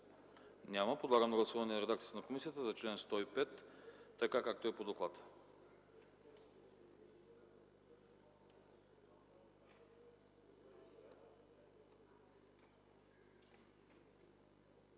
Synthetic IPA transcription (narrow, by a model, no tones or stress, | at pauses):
nʲaməpod̪lˠaɡənoɡlˠɐsuvɐnɛnɾɛd̪ak̪iət̪ənɐkomisiət̪əzɐt͡ʃlɛnst̪ɔipɛt̪ːɐkakak̚t̪oɛpod̪oklˠat̪